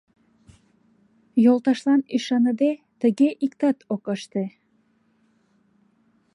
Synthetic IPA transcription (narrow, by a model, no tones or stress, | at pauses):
jolˠt̪ɑʃlˠɑniʃɑnɤd̪e | t̪ɘ̆ɡɘʔikt̪ɑt̪okɑʃt̪ɤ